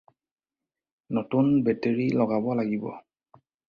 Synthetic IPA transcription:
notunbɛteɹilɔɡabɔlaɡibɔ̰

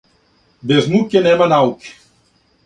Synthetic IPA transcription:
beznukenɛmɐnawk

